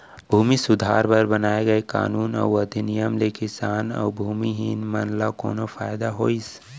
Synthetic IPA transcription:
bʱuːmisʊd̪ʱaːɾbɐɾbɐnaːeɡɐeka̰ːnuːnɔ̰wəd̪inijəmlekɪsaːnɔ̰ːbʱuːmiɦinmənlakɔ̰ːnofaːjd̪aɦoːis

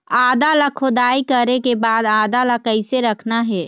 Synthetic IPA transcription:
aːd̪aləkʰod̪aːikəɾekebaːd̪aːd̪alakəɪseɾəkʰnaɦɛː

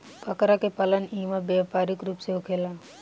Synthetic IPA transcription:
pəkɾakepalənĩːʋabeʋpaːɾikɾuːpseukʰela

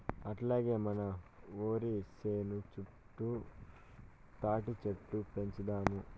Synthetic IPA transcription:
ɐʈlaːɡe̞ːmɐnɐoːɾiseːnut͡ʃu | ʈːu | t̪aːʈit͡ʃeʈːupe̞ɲt͡ʃid̪aːmu

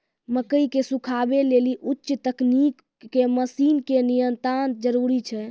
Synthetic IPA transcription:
məkəikesukʰabeleliʔutːʃt̪əknikː | eməsinkenijənt̪ɾan̚d͡ʒəɾuɾit͡ʃʰɛ

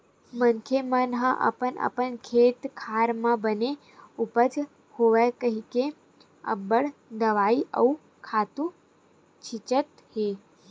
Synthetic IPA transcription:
mənkʰemənɦəʔə̰pənʔə̰pəɳkʰet̪kʰaɾmãbəne | upəd͡ʒ | hoʋakəɦike | ə̰bəɽd̪əʋaiʔə̰u | kʰat̪ũ | t͡ʃʰit͡ʃət̪ | he

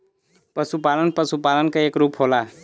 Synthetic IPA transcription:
pəsupalənpəsupalənkeekɾupɦola

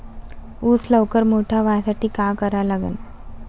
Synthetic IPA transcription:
uːt͡sləʋkəɾmoʈʰaʋasaʈʰiːkakəɾalaɡə̰n

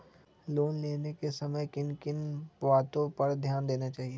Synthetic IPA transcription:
loːnleːnekesɐməjkɪnkɪnpʋaːt̪õpɐɾd̪ʱjaːnd̪eːnat͡ʃaːɦie

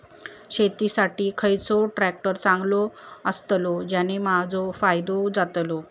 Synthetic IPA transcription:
ɕet̪isaʈiːkʰəjt͡sɔʈɾæk̚ʈəɾt͡sãŋɡlɔəst̪lɔd͡ʑanemad͡zɔfajd̪od͡zat̪lɔ

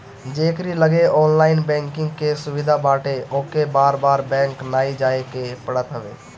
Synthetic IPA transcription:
d͡ʒeːkɾiləɡeɔːnlaːɪnbɛ̃ːŋkɪ̃ŋɡkesʊʋid̪ʱabaːʈeoːkebaːɾbaːɾbɛ̃ːŋknaːid͡ʒaːekepəɽət̪ɦəbḛː

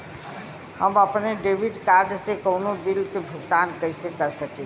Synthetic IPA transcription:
həməpneɖebiɖkaɾɖsẽkəʊnobiɾt̪ːebʱuɡt̪ankəɪsekəɾsəke

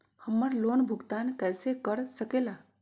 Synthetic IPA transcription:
həməɾloːnbʱʊɡt̪aːnkɛːsekəɾsəkeːlaː

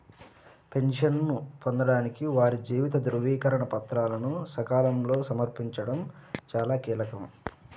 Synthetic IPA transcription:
pe̞nʂɐnnupo̞nd̪ɐɽaːnikiʋaːɾid͡ʒiːʋit̪ɐd̪ɾuʋiːkɐɾɐɳɐpɐt̪ɾaːlɐnusɐkaːlɐmlo̞ːsɐmɐɾpiɲt͡ʃɐɽɐmt͡ʃaːlaːkiːlɐkɐm

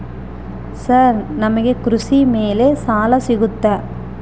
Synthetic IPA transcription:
saɾnɐmɐɣekɾʊsimeːleːsaːlɐsɪɣɯt̪ːɐ

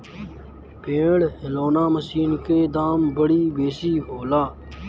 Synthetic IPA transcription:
pẽːɽɦɪloːnaːməsiːnkeːd̪aːmbəɽiːbeːsiːɦoːlaː

